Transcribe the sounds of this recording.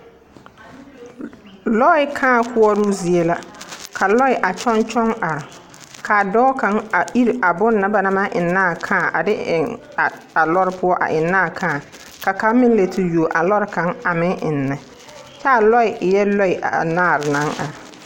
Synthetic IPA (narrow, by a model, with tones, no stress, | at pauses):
lɔ˦ɪ˦kʰãː˦˨kʰʊ˦ɔ˦ɾu˦zi˨e˦la˦kʰa˨lɔ˦ɪ˨ʔa˨t͡ʃɔ˦nt͡ʃɔ˦ŋa˨ɾɪ˨ | kʰa˨dɔː˦ka˨˦ŋa˨ʔi˦ɾa˨bʊ˦nːa˦ba˨na˦ma˦ʔɪ˨nːaː˦˨kʰãː˦˨ʔa˨dɪ˦ɪ˨ŋ˨ | a˨lɔ˦ɾɪ˦pʰʊ˦ɔ˦ʔa̰˨ʔɪ˨nːaː˦˨kʰãː˦˨ | ka˨ka˨˦mɪ˦ŋ˦le˨tʰi˦ju˨ʔa˨lɔ˦ɾɪ˦ka˨˦ŋa˨mɪ˦ŋʔɪ˨nːɛ˨ | t͡ʃa˦a˨lɔ˦ɪ˨jɛ˦lɔ˦ɪ˨ʔa̰˨naː˦˨ɾɪ˨na˨˦ŋa̰˨ɾ